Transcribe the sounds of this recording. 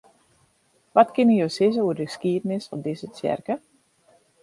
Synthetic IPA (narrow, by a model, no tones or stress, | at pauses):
ʋɔtkɪnəjoːsɪz̬əuərdə̥skiədənɪsɔndɪzət͡sjɛ̰rkə